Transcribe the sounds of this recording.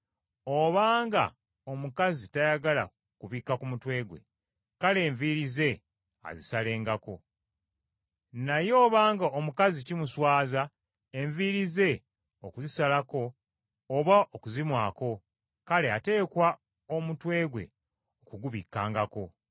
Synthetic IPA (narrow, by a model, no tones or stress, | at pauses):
oβaːŋɡa̰ | o̞mukazitajaɡala̰ | kuβikːakumutwe̞ːɡwe̞̰ | kale̞ːɱviɾize̞ | a̰zisale̞ːŋɡako̞ | najo̞ːβaːŋɡaomukazicimuswaːza | eɱviɾize̞ | okuzisalako̞ː | βaʔokuzimwaːko̞ | kale̞a̰te̞ːkwa | o̞mutwe̞ːɡwe̞̰ | okuɡuβikːaːŋɡako̞